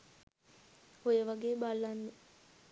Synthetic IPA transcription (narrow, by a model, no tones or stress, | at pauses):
ojəʋaɡeːbalːanːe